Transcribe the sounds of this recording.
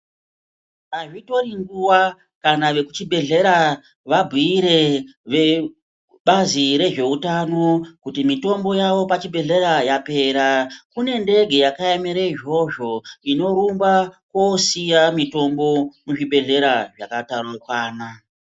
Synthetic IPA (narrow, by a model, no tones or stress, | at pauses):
aʐito̞riŋɡuwa | kanaʋe̞kut͡ʃibʱe̞ɮe̞ɾa | ʋabʱiiɾe̞ʋe | ɓaziɾe̞ʐe̞utano̞kutimito̞mbo̞jaʋo̞pat͡ʃiɓʱe̞ɮe̞ɾajape̞ɾakune̞nde̞ɡʱe̞jakaemeɾeʒo̞ʒo̞ino̞ɾumbakwosijamito̞mbo̞muʐiɓʱe̞ɮe̞ɾaʐakatarakwaːna